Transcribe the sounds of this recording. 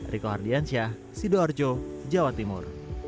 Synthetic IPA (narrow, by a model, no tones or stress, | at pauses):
rʔikoɦardiansia | sidoard͡ʒod͡ʒawat̪imʊ̰r